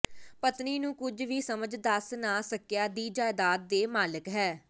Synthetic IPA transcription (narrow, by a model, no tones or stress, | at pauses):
pət̪niːnũːkʊd͡ʒʋiːsəməd͡ʒd̪əsnaːsəkjaːd̪iːd͡ʒaːɪd̪aːd̪̚d̪eːmaːləkɦɛː